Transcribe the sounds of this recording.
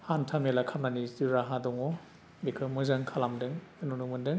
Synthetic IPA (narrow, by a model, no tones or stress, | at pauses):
hantʰamelakʰamnaniziɾaɦadɔŋɔ | bikʰɯmɯzaŋkʰalamdɯŋɯnunumɯndɯŋ